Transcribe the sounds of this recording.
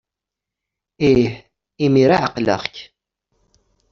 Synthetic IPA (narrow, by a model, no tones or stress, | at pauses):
iħ | imiɾaʕəqlə̰ʁk